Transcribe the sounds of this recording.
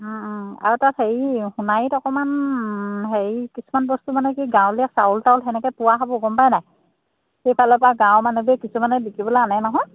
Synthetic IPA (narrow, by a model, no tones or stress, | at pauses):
a̰ɹutatheɹihunajtɔkɔman | ɦeɹikisumanbɔstumanɛkiɡãw̃liasaultaʊlɦɛnɛkɛpʊwaɦabɔɡɔmpajnaj | xejpʰalɛpaɡãwmanubiɛkisumanɛlikibɔlaananɔɦɔj